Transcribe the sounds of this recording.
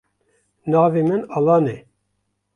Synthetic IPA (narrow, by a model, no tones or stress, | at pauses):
nɑːveːmɨnɑlɑːne